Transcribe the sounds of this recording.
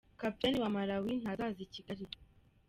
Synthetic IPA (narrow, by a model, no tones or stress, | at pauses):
kapitaniwamaɾawin̥azaziciɡaɾi